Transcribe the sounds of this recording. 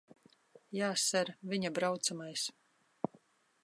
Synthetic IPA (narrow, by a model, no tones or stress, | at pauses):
jaːsɛɾvʲiɲabɾawt̪samajs